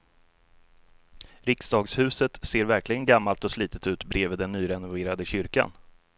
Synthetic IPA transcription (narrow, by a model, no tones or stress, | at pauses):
ɾɪksd̪ɑːɡshʉ̟ːsət̪seːɾvæɾklɪɡənɡamːalt̪ɔsliːt̪ʰət̪ʉ̟ːt̪bɾeːviːd̪ɛnːyːɾɛnʊveːɾad̪əɕʏɾka̰n